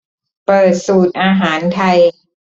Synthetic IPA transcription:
pɤː˨˩t̪̚suː˨˩t̪̚ʔaː˧ɦaː˩˦nt̪ʰa˧j

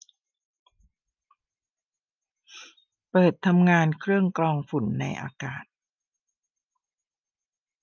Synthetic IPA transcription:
pɤː˨˩t̪ʰːa˧mŋaː˧nkʰɾɯ˥˩əŋklɔː˧ŋfu˩˦nːa̰˧jʔa̰ː˧kaː˨˩t̪̚

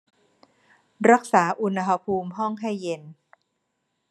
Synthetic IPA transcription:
ɾa˦˥k̚saː˩˦ʔu˧na˧ɦa˧pʰuː˧mɦɔ˥˩ŋɦa˥˩jːe˧n

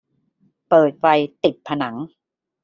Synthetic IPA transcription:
pɤː˨˩t̪̚wa˧jt̪i˨˩t̪̚pʰa˧na˩˦ŋ

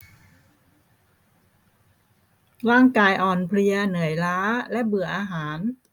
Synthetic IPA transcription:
ɾaː˥˩ŋkaː˧jʔɔː˨˩npʰɾi˧ɐnɯ˩˦əjlaː˦˥lɛ˦˥ʔbɯ˨˩ɐʔaː˧ɦaː˩˦n

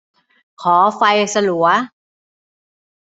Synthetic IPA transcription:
kʰɔː˩˦fa˧jsa˧lu˩˦ɐ

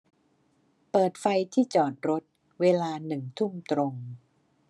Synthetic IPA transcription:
pɤː˨˩t̪̚fa˧jt̪ʰiː˥˩t͡ɕɔː˨˩t̪̚ɾo˦˥t̪̚ | weː˧laː˧nɯ˨˩ŋt̪ʰu˥˩mt̪ɾo˧ŋ

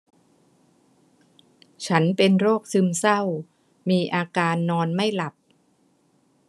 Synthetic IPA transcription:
t͡ɕʰa˦˥npe˧nɾoː˥˩k̚sɯ˧msa˥˩w | miː˧ʔaː˧kaː˧nːɔː˧nma˥˩jla˨˩p̚

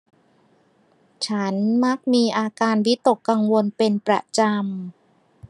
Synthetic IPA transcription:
t͡ɕʰa˦˥nma˦˥k̚miː˧ʔaː˧kaː˧nwi˦˥t̪o˨˩kːa˧ŋwo˧npe˧npɾa̰˧˩t͡ɕa˧m

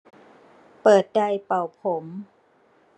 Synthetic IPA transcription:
pɤː˨˩t̪̚da˧jpa˨˩wpʰo˩˦m

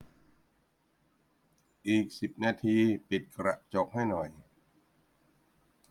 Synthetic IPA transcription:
ʔiː˨˩k̚si˨˩p̚naː˧t̪ʰiː˧pi˨˩t̪̚kɾa˨˩ʔt͡ɕɔ˨˩k̚ha˥˩jnɔ˨˩j

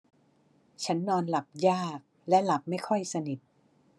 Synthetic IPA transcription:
t͡ɕʰa˦˥nːɔː˧nla˨˩p̚jaː˥˩k̚lɛ˦˥la˨˩p̚ma˥˩jkʰɔ˥˩jsa˧ni˨˩t̪̚

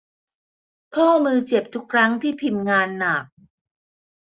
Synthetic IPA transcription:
t̪ʰɔː˥˩mɯː˧t͡ɕe˨˩p̚t̪ʰu˦˥kʰːɾa˦˥ŋt̪ʰiː˥˩pʰi˧˩mŋaː˧nːa˨˩k̚

